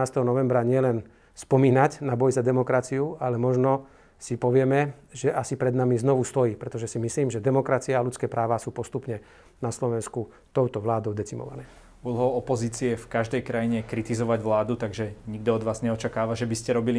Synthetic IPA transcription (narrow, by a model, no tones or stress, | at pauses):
aːst̪ɛɦɔnɔʋɛmbɾaɲɪɛlɛn | spɔmiːnaɟnabɔjzad̪ɛmɔkɾat͡siualɛmɔʒnɔ | sipɔʋɪɛmɛʒɛʔasipɾɛd̪namiznɔʋust̪ɔjiːpɾɛt̪ɔʒɛsimisliːmʒɛd̪ɛmɔkɾat͡siaːlut͡skɛːpɾaːʋasuːpɔst̪upɲɛ | naslɔʋɛnsku | t̪ɔʊt̪ɔʋlaːd̪ɔʊd̪ɛt͡simɔ̰ʋa̰nɛː | ulɦɔʊɔpɔziːt͡siɛfkaʒd̪ɛjkɾajiɲɛkɾit̪izɔʋaɟʋlaːd̪ut̪aɡʒɛɲiɡ̚d̪ɔɔd̪ʋaːzɲɛɔt͡ʃakaːʋaʒɛbiscɛɾɔbili